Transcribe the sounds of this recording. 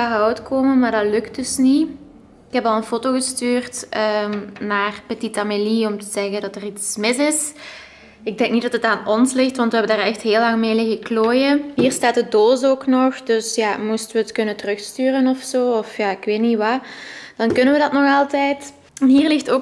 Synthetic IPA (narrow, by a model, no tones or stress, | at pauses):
aɦɔwtkʰoːməmaːrdɑtlɵkt̚dɵsni | ɪkɦɛpɑlˠənfotoːɣəstyːrtənaːrpetitameliɔmtəzɛɣəndɑtəritsmɪsɪs | ɪɡ̚dɛŋknidɑtətaːnɔnslɪxtʋɑntʋəɦɛbəndaːrɛxtɦeːlːɑŋmeːlɪɣəkloːjəɦiːrstaːtədoːsoːknɔxdɵsjaːmustəʋəətkɵnəntərɵxstyːrənɔfsoːɔfjaːɪkʋeːtniʋad̥ɑnkɵnənʋədɑtnɔxɑlˠtɛjt | nɦiːrlɪxtoː